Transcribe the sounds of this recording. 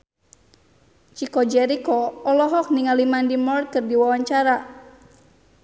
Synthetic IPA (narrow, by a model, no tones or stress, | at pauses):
t͡ʃikɔd͡ʒɛɾikɔɔlɔɦɔk̚niŋalimandimɔrt̪̚kɨrdiwawaɲt͡ʃaɾa